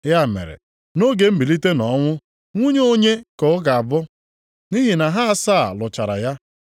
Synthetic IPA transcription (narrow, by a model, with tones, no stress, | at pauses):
ja˦˨mḛ˨ɾḛ˨ | no˦ɡe˨m̩˦bi˨li˦te˦nɔ˨˦ŋʷʊ˦ | ŋʷu˦ɲe˦o˦ɲe˦ko˨ʊ˦ɡa˨a˨bʊ˦ | ni˦ɦi˨na˨ɦa˦a˨saː˦˨lʊ˨t͡ʃa˨ɾa̰˨ja˦